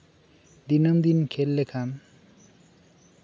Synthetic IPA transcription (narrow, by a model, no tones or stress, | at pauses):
d̪inʌmd̪inkʰelːekʰam